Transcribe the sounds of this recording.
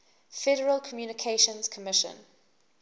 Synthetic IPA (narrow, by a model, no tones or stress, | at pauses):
fɛɾəɹəlˠkʰɔmjuːnɪkʰeʃə̃nz̥kʰɔmɪʃə̰̃n